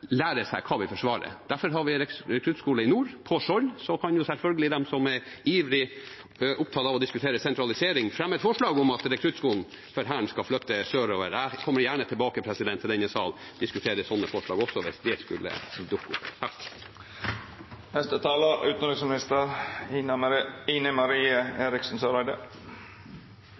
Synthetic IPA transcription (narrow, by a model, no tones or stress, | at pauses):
læːɾəsæ̰ɪkʰɑːʋɪfɔʂʋɑːɾə̰d̪̥æɾfɔɾɦɑɾʋɪɾɛɾɛkʰɾʉːskuːləɪnuːɾpʰɔʂɔlsɔkʰɑnjʊsɛlfœlɡəlɪd̪ɛmsɔmɛɾ | iːʋɾɪ | ʔʊp̚t̪ʰɑːt̪ɑʋɔd̪ɪskʉt̪ʰeːɾəsɛnt̪ɾɑlɪseːɾɪŋfɾɛmːɛt̪fɔʂlɑːɡɔmɑt̪ɾɛkʰɾʉt̪skuːln̩ | fɔɾɦæːɳskɑflœt̪ːəsøːɾoːʋəɾækʰɔmːəɾjæːɳət̪ʰɪlbɑːkəpʰɾɛsɪd̪ɛnt̪ʰɪɛnəsɑːl | d̪ɪskʉt̪ʰeːɾəsɔnːəfɔʂɭɑːɡɔsːɔʋɪsd̪ɛskʉlːə̰d̪ʊkːʊ̰t̪ɑ | nɛst̪ət̪ʰɑːləʉːt̪nɾɪsmɪnɪst̪əɾ | iːnəmɑɾiːəeːɾɪksn̩søɾæɪd̪ə